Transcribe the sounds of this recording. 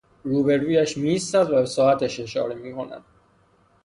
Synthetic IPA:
ɾuːbe̞ɾuːjæʃmiist̪æd̪væbesɒːæt̪ʰæʃe̞ʃɒ̰ːɾemiːkʰo̞næ̰d̪̥̚

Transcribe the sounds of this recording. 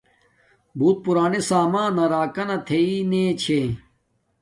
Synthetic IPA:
buːt̪̚puɾaːnesaːmãːnɐɾaːkɐnɐt̪ʰeineːt͡ɕʰe

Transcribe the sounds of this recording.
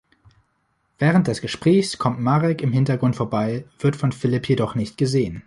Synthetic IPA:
v̥ɛːʁ̞ənt̚d̥ɛsɡ̥əʃpʁ̥ɛːçskʰɔmtmaʁɛkɪmhɪntɐɡʁʊntfoːɐbaɪv̥ɪɐtfɔnfɪlɪpʰjedɔχnɪçtɡ̥əzeːən

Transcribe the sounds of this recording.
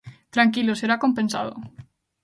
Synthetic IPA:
t̪ɾaŋkiloseɾakompensa̰ð̞o̰

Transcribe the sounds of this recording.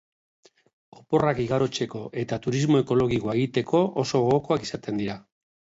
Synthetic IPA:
o̞po̞rakiɣaɾo̞t͡se̞ko̞ʔe̞t̪at̪uɾizmo̞e̞ko̞lo̞ɣikoae̞ɣ̞it̪e̞kʰo̞oso̞ɣoko̞akisat̪e̞nd̪iɾa

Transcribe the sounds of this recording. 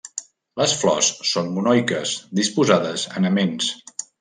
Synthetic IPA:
ləsflɔ̰sːonmunɔjkəsd̪ispuzaðəzə̰nəmens

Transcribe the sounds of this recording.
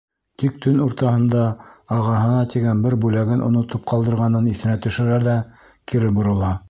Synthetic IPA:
t̪ik̚t̪ɵnuɾt̪ɑɦɤ̆nd̪ɑɑʁɑɦɤ̆nɑt̪iɡænbɘɾbʉlæɡɘnʔŏ̰nŏt̪ɤp̚qɑlˠd̪ɤ̆ɾʁɑnɤniθɘ̆næt̪ɵ̆ʃɘ̆ɾæðæ | kiɾɘp̚bŏɾɤ̆lˠɑ

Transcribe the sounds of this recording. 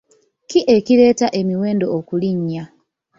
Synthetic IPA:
kiʔe̞ciɾe̞ːtaʔe̞miweːndo̞okuliɲːa

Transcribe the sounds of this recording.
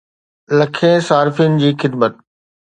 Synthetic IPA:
lɐkʰẽsaːɾɪfinɪ̆d͡ʑiːxɪd̪mət̪̚

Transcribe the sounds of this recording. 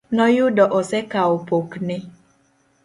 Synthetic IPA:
nɔjudɔʔɔsɛkaopoknɪ

